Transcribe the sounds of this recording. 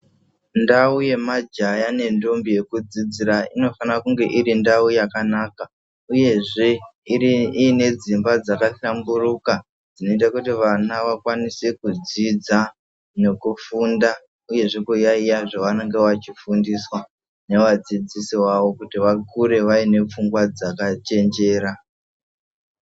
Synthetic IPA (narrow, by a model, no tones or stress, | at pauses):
ndauje̞mad͡ʒajane̞ndombije̞kud͡zid͡ziɾaino̞fanakuŋɡe̞ʔiɾindaujakanaːka | uje̞ʐe̞iiːne̞d͡zimbad͡zakaɬamburuka | d͡zino̞it̬akutiʋanaʋakwanisekud͡zid͡za | ne̞kufunda | uje̞ʐekujaijaʐoʋane̞ŋɡe̞ʋat͡ʃifundiswa | ne̞ʋad͡zid͡zisiwaʋo̞kutiʋakʰuɾe̞ʋaine̞p͡fuŋɡwad͡zakat͡ʃe̞nd͡ʒe̞ːɾa